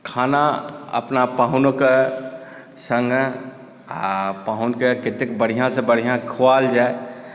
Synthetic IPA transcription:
kʰaːnaə̰pnapaːɦʊnoke | sə̃ŋɡ | paːɦʊnkekɪt̪ek̚bəɽ̤ijãsebəɽ̤ijãkʰʊwaːld͡ʒaːe

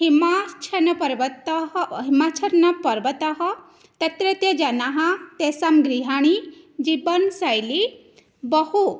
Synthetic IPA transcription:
ɦimat͡ʃʰɐnɐpɐɾʋət̪ɦɦimat͡ʃʰɐɾnɐpɐɾbət̪ɐɦɐ | t̪ɐt̪ɾet̪jɐd͡ʒanaɦɐ̃t̪esamɡɾiɦaɽ̃i | d͡ʒibənsajli | bəhu

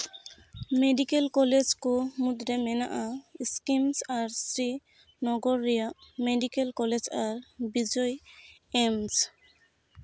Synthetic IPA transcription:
meɖikelkɔled͡ʒkomud̪ɾemɛna̰ʔaskimsaɹsɾi | nɔɡɔɾːijameɖikelkɔled͡ʒaɹbid͡ʒɔj | ems

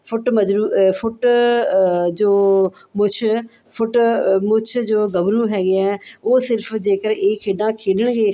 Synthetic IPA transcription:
fʊʈmɐd͡ʒɾuːfʊʈ | d͡ʒoːmʊt͡ʃʰ | fʰʊʈmʊt͡ʃʰd͡ʒoːɡɐʋɾuɦɛːɡɪaɛoːsɪɾfd͡ʒeːkəɾeːkʰeːɖãkʰeːɖəɽ̃ɡeː

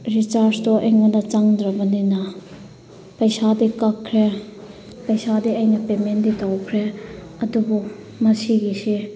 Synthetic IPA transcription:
ɾit͡ʃaɾstɔʔeŋɔnɐt͡ʃaŋd̪ɾabɐnina | pɐjsadikakʰːɾe | pɐjsadiɐjnɐpemenditawkʰɾe | ɐdubu | mɐsiɡisi

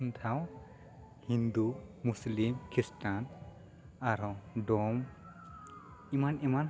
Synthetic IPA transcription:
nt̪ʰaw | hind̪umuslimkʰistan | aɾɔdɔm | imaniman

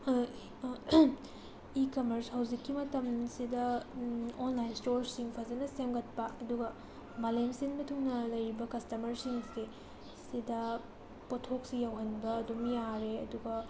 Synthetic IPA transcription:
ikɐmɐɾshɐwzikːimɐtɐmsidɐ | onlajnstoɾsiŋpʰɐzɐnɐsemɡɐt̚pɐɐduɡɐ | malemsinmɐtʰuŋnɐlɐjɾibɐkɐstɐmɐɾsiŋse | sidɐ | potʰok̚sijawɦɐnbɐːdumjaɾeɐduɡɐ

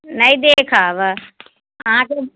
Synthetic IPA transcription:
nɐĩd̪ekʰaːʋə | ãke

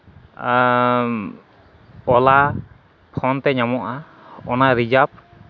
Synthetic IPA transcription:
ɔla | pʰɔnt̪ɛɲamɔʔa | ɔnaɾid͡ʒap̚

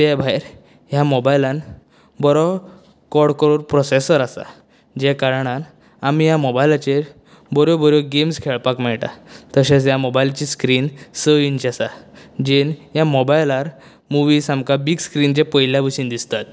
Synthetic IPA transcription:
t̪ebʱajɾ | jamɔbajlãn | bɔɾɔ | kɔɽkɾoɾpɾɔsesəɾasa̰ | d͡ʑɛkaɾɳ̃an | amijamɔbajlat͡ɕe | bɔɾjobɔɾjoɡemskʰeɭpakmɛɭʈa̰t̪əɕet͡sjamɔbajlt͡ɕiskɾiːnsəint͡ɕiasad͡ʑenɦjamɔbajlaɾ | muʋiːsãmkabiɡskɾind͡ʑepəjljaʋəɕind̪ist̪at̪̚

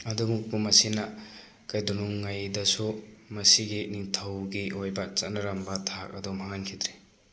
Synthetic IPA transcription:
ɐdumuk̚bumɐsinɐ | kajdunuŋːajdɐsumɐsiɡiniŋtʰɐwɡiʔojbɐt͡ʃɐtnɐɾɐmbɐtʰak̚ɐdumaŋankʰid̪ɾe

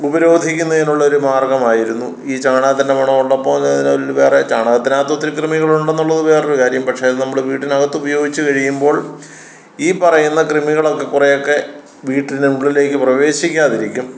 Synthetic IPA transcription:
ubɐɾo̞ːd̪ʱikʲːunːɐenːuɭːɐo̞ɾumaːrɡɐmaːjiɾunːu | iːt͡ɕaːɳaːɐt̪̬ːindemɐɳɐmuɭːɐpːoːnːðinlʋe̞ːret͡ɕaːɳaːɐt̪ːinaːt̪ːwɐt̪ːilkrɨmiɣɐɭuɳɖe̞nːuɭːɐðuʋe̞ːrɾukaːɾjɐmpɐʈʂeɐðenɐmːɐɭʋiːʈːinɐɣɐt̪ːubɐjo̞ːɡit͡ɕːɨkɐɻijumbo̞ːɭ | iːpɐrɐjunːɐkrɨmiɣɐɭo̞kːe̞kːurejo̞kːe̞ | ʋiːʈːinɨmuɡɐɭile̞ːkːɨprɐʋe̞ːɕikʲːaːðiɾikʲːum

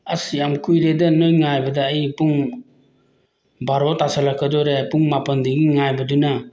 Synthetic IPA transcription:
asijamkʰujɾedɐnojŋajbɐdɐːjipuŋ | baɾotasalakʰːadɔɾepuŋmapɐndiɡiŋajbɐduna

